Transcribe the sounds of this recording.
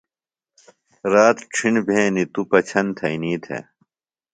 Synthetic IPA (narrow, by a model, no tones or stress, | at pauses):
ɾaːt̪ʈ͡ʂʰiɳbʱẽːnit̪upɐt͡ɕʰɐnt̪ʰɐiniːt̪ʰḛ